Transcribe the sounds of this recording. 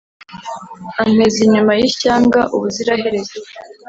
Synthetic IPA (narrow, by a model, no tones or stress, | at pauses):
am̥eziɲumajiçaːŋɡaʔuβuziɾahe̞ɾe̞ze